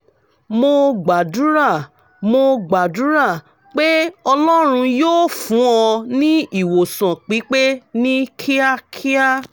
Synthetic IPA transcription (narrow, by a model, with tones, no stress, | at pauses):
mo˧ɡ͡ba˨du˨˦ɾa˦˨ | mo˧ɡ͡ba˨du˨˦ɾa˦˨ | k͡pe˦ɔ˧lɔ˦ɾ̃ũ˧joː˦˨fũ˨˦ɔ˧nĩ˦i˦˨wo˨sã˨k͡pi˨˦k͡pe˦nĩ˦kʰi˦a˦kʰi˦a˦